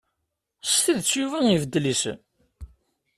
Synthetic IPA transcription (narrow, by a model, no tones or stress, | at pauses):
st̪iðt͡sːjuvæivəd̪ːlis